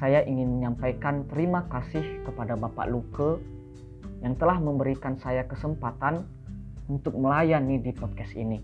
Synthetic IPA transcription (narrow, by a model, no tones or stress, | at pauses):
sajaʔiŋɪnməɲampajkant̪əɾimakasɪhkəpadabapa̰ʔlukə | jaŋt̪əlahməmbəɾikansajakəsəmpat̪an | unt̪ʊk̚məlajanːidipɔd̚kɛsini